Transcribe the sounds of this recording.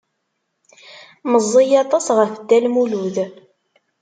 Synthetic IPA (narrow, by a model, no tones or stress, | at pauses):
məzˤːijɑt̪ˤɑsʁəfəd̪ːælmuluð